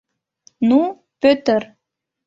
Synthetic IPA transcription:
nu | pøt̪əɾ

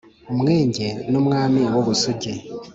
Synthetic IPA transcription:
umŋe̞ːɲɟenumŋaːmiwoβusuɟe

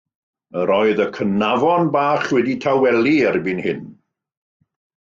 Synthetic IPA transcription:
əɾɔɨðəkʰənavɔnbaːχwɛditʰawɛlˠiɛrbɪnhɪn

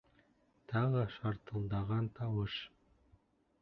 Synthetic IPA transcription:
t̪ʰɑʁəʃɑɾt̪əlˠd̪ɑʁɑnt̪ʰɑwɤʃ

